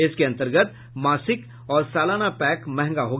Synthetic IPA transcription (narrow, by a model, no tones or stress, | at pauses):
ɪskeɐ̃nt̪əɾɡət̪̚ | maːsɪk | ɔːɾsaːlaːnapɛːkmɛ̃ɦɛ̃ŋɡaɦoːɡ